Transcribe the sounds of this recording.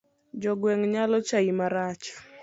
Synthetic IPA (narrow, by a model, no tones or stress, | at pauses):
d͡ʒɔɡwɛŋɲalɔt͡ʃaimaɾat͡ʃ